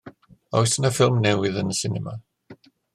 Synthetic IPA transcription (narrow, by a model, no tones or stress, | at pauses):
ɔjsənafɪlˠmnɛwɪðənəsɪnɛma̰